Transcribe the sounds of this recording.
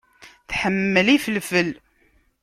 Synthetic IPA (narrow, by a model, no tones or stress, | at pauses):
θħəmːəlifəlfəl